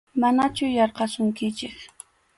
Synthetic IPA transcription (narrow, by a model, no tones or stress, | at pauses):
manat͡ʃʊjɑɾqɑsʊŋkɪt͡ʃɪk